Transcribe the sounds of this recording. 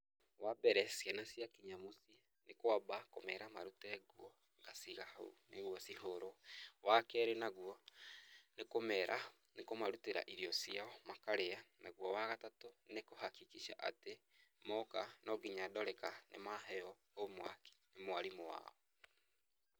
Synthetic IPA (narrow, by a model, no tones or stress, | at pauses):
wabɛɾɛsianasjakiɲamosi | nekwabakomɛɾamaɾutɛɣwɔ | ŋɡasiɣahaṵneɣwɔsiɦoɾowakɛɾenaɣwɔ | nekomɛɾʔa | nekomaɾuteɾa̰ʔiɾiɔsiaɔmakaɾeanaɣwɔwaɣatatonekohakikiʃa̰ʔa̰te | mɔkanɔɣiɲadɔɾɛkanʔḛmaɦɛɔ | omwa̰ke̥nemowaɾimowa̰ːɔ